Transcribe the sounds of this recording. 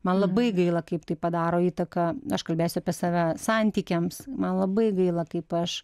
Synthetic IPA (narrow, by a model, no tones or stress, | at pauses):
mɐnlˠɐbɐɪɡɐɪlˠɐkɐɪpt̪ɐɪpɐd̪ɑːɾoːiːt̪ɐkɐɐʃkɐlʲbʲeːsʲʊɐpʲiɛsɑːʋʲæsɑnʲt̪ʲiːkʲɛmsmɐnlˠɐbɐɪɡɐɪlˠɐkɐɪpɐʃ